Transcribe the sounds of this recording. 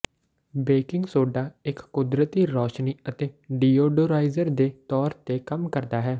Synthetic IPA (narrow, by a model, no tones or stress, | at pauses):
beːkɪŋɡsoːɖaːɪkːʊd̪ɾət̪iːɾɔːʃniːət̪eːɖiːoːɖoːɾaːizəɾd̪eːt̪ɔːɾt̪eːkəmkəɾd̪aːɦɛː